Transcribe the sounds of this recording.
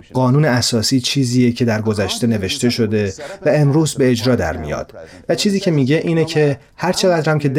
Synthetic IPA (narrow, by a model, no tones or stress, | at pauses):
ɢɒːnuːneæsɒːsiːt͡ʃʰiːziːjecʰe̞d̪æɾɡo̞zæʃt̪e̞ne̞ve̞ʃt̪e̞ʃo̞d̪e̞væe̞mɾuːzbe̞ːd͡ʒɾɒːd̪æ̰ɾmḭjɒ̰ːd̪̥væt͡ʃʰiːziːcʰe̞miːɟe̞ʔiːnecʰe̞ | hæɾt͡ʃʰe̞ɣæd̪ɾæmcʰe̞d̪